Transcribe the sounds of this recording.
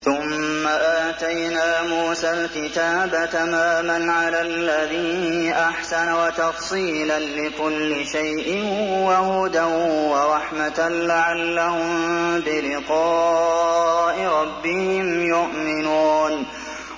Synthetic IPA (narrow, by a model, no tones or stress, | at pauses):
θʊmːaʔaːt̪ajnaːmuːsaːlkɪt̪aːbat̪amaːmanʕalaːlːaðiːnnʔaħsanawat̪ɑfsˤiːlanlɪkʊlːɪʃajʔɪhwahʊd̪ahwɑɾˤɑħmat̪alaʕalːahʊmbɪlɪqɑː | ʔɪɾˤɑbːɪhɪmjʊʔmɪnuːn